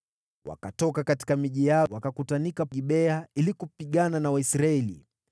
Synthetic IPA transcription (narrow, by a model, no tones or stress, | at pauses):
wa̰katɔkakati̥kamiʄijawakakutanikaʄiɓɛailikupiɠananawaisɾaɛlḭ